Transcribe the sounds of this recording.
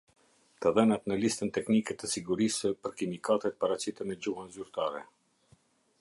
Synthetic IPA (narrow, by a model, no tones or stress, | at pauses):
t̪aðɛnat̪nəlist̪ənt̪ɛknikɛt̪əsiɡuɾisəpəɾkimikat̪ɛt̪̚paɾat͡ɕit̪ənəd͡ʑuɦanzyɾt̪aɾɛ̰